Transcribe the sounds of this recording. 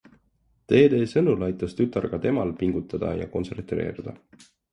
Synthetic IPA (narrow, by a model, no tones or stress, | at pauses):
t̪e̞ːd̪e̞ːsɤnulɑjt̪ːˑɑst̪yt̪ːˑɑrɡ̥ɑt̪e̞mɑlpiŋɡ̥ut̪ːˑɑd̪̥ɑ̰jɑ̰ko̞nse̞rt̪ɾe̞̰ːɾid̪̥ɑ̰